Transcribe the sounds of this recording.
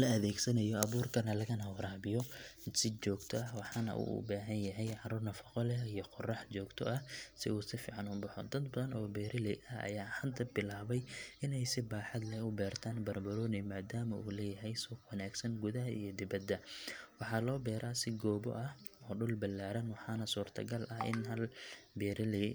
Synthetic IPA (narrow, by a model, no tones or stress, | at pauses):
lɐɐðɛːɡsɐnɐjɔɐβuːrkʰɐnɐlɐɣɐnɐwɐɾaːbɪjɔsɪt͡ʃɔːɡt̪ʰɔɐhwɑħɑnɐ̰ʔṵːʔʊ̰baːɦɐnjɐɦɛjʕɑɾuːrnɐfɐqɔlɛijɔqɔrɑħt͡ʃɔːɡt̪ʰɔ̰ʔɐhsɪ̰uːsɪfḭːʕɑnʊbɐħɔd̪ɐd̪bɐðɐnɔːbɛːɾʔɪlɛjʔɐhʔɐ̰jaːhɐd̪ɐbɪlaːβɛjʔɪnɛjsɪbaːħɑd̪lɛʊbɛːrt̪ʰaːnbɐrbɐɾɔːnɪmaːd̪aːmɐʔṵːlɛːjɐɦɛjsuːqwɐnaːɡsɐnɡʊðɐɦɐʔijɔd̪ɪβɐd̪ːɐwɑħɑːlɔːbɛːɾʔaːsɪɡɔːbɔ̰ʔɐhɔːɖʊlbɐlːaːɾɐnwɑħɑːnɐsuːrt̪ʰɐ̰ɡɐlʔɐhʔɪ̰nɦɐlbɛːɾʔɪlɛ